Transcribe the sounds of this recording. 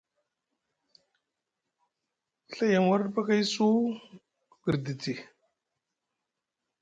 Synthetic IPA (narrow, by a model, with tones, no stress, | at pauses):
ɬa˦ja˨ŋwa˦ɾɗpa˦ka˦jsu˦ | ɡi˨ɾdi˨ti˨